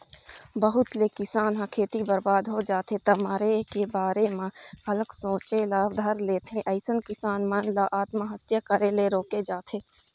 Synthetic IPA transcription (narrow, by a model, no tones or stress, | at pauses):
bəɦʊt̪lekɪsaːnɦãkʰeːt̪ibəɾbaːd̪ɦod͡ʒaːt̪et̪əmaːɾekebaːɾemãhɐləksõːt͡ʃelaːwd̪ʱəɾleːt̪ʰẽʔɐɪsənkɪsaːnmənlaʔaːt̪maɦət̪jəkəɾeleɾoːked͡ʒaːt̪ʰeː